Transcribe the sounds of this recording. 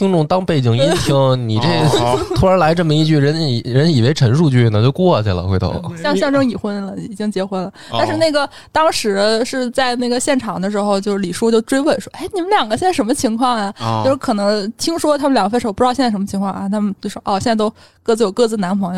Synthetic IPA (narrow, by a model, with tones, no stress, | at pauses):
ti˥ŋʈ͡ʂʊ˥˧ŋt̪ɑ˥ŋpe˥˩ɪt͡ɕi˥˩ŋi˥t̪ʰi˧˥ŋni˨˩ʈ͡ʂe˥˩ɡə˩t̪ʰu˥˩ə˧˥la˧˥ɪʈ͡ʂɤ˥˩mə˩i˥˧t͡ɕy˥˩ɻə˧˥ni˨˩ɻə˧˥ni˨˩we˧˥ɪʈ͡ʂʰə˧˥nʂu˥˧t͡ɕy˥˩na˥˩t͡ɕjo˥˧ʊkwɔ˥˩˨t͡ɕa˥˩la̰˧˥xwe˧t̪ɑ̰˥˩˥ʊə̰˨˩ɕjɑ˥˧ŋɕjɑ˥˧ŋʈ͡ʂɤ˥ŋi˨˩xwə˥nlə˨i˨˩t͡ɕi˥ŋt͡ɕjɛ˧˥xwə˥nlə˨t̪a˥˧nʂɻ̩˥˧na˥˩ɡə˩ | t̪ɑ˥ŋʂɻ̩˧˥ʂɻ̩˥˧t͡sa˥˧ɪna˥˩ɡə˩ɕjɛ˥˩nʈ͡ʂʰɑ˨˩ŋd̪ə˦ʂ̬ɻ̩˧˥xo˧ʊt͡ɕjo˥˧ʊʂɻ̩˥˩li˨˩ʂu˥t͡ɕjo˥˧ʊʈ͡ʂwe˥ɪwe˥˩ɪʂwɔ˥ʔe˥˩ɪni˨˩mə˦nljɑ˨˩ŋɡə˦ɕɛ˥˧nt͡sa˥˩ʂə˧˥nmə˧t͡ɕʰi˧˥ŋkʰwɑ˥˩ŋɐ˩t͡ɕjʂɻ̩˥˩kʰɤ˨˩nɤ˧˥ŋt̪ʰi˥ŋʂwɔ˥t̪ʰa˥mə˨nljɑ˨˩ŋɡəfʂ̩˥˧˥pu˧˥˧ɕɛ˥˧˥ʂmə˧t͡ɕʰŋkʰɑ˥˧ŋʔa˥˩t̪ʰa˥mə˨nt͡ɕo˥˩ʂʔɔ˥˧ɕjnt͡sa˥˧t̪o˥ʊ | kɤ˥˧t͡sɹ̩˥˩jo˨˩ʊkɤ˥˧t͡sɹ̩˥˩na˧˥npʰŋj